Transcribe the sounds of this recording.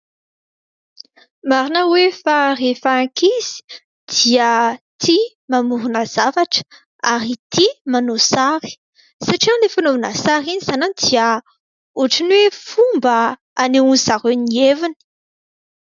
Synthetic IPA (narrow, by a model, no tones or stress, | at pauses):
maɾinəwefarefaaŋkiz̥i̥ | d̪̥iət̪ʰi | mamuɾunəz̥avaʈ͡ʂə̥ | aɾit̪ʰimanosaɾi̥ | saʈ͡ʂiand̪efanovunə̰saɾinizananid̪̥iə | uʈ͡ʂinwefumbə | aneunzaɾenievinə̥